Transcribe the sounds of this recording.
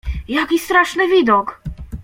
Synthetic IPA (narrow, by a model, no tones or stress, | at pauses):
jakʲist̪ɾaʂnɘvʲid̪ɔk